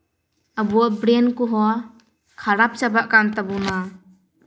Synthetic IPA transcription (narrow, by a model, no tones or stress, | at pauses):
abuɔbɾenkuɦɔ | kʰaɾap̚t͡ʃabaʔkant̪abuna